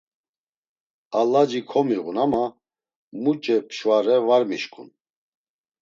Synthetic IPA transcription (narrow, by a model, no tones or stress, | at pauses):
alad͡ʒikʰɔmiɣunama | mut͡ʃʼɛpʰʃvaɾɛvaɾmiʃkʼṵn